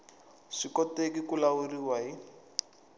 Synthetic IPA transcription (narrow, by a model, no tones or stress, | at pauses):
ʂikɔtekikulauriwai